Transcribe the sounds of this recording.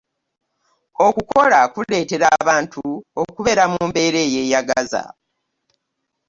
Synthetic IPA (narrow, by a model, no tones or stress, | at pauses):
o̞kuko̞lakule̞ːte̞ɾaβaːntuokuβe̞ɾamuːmbe̞ːɾe̞ːje̞ːjaɡaza̰